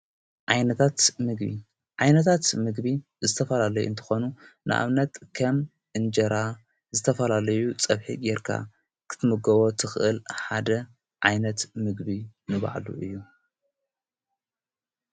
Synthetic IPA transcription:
ʕajnɐt̪ʰat̪mɨɡbḭ | ʕajnɐt̪ʰat̪mɨɡbi | zɨt̪ʰɐfɐlalɐjṵɨnt̪ʰɨ̥xonunʔɨ̰ʔa̰βnɐt̪kʰɐm | ʔɨnd͡ʒɐɾa | zɨt̪ʰɐfɐlalɐjut͡sʼɐβħḭɡɛɾkʰa̰ | kʰɨ̥t̪ʰɨmɨɡɐβot̪ʰɨxʔɨlħad̪ɐ | ʕajnɐt̪mɨɡbinɨβa̰ʕlṵʔɨjːu

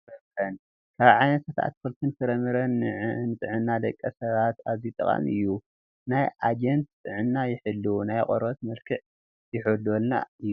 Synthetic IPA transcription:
ɐħɐn | kʰaβʕajnɐt̪sɐt̪a̰t̪fɨlt̪ʰɨntʰɨɾɐmɨɾɐnʕnɨt̪ʼɨʕɨnːad̪ɐkʼːɐsɐβat̪aβzit̪ʼɨ̰kʼa̰mɨ̰jːu | najad͡ʒent̪̚t̪ʼɨʕɨnːajɪħɨlːunajaqʼo̰ɾɐt̪mɐlkʰɨʕ | jɪħololna̰ɨjːu

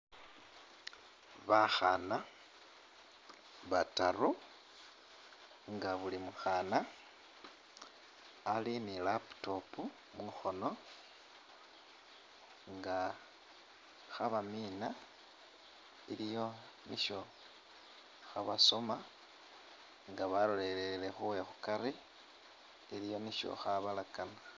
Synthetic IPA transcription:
βaxana | βataru | ŋɡaβulimuxana | linilapu̥to̞pu | muxo̞no̞ | ŋɡa | xaβamiːna | ilijo̞ | niʃo̞ | xaβaso̞ma | ŋɡaβalole̞leele̞xuwexukaɾi | iɾijo̞niʃo̞̰xaβalakana

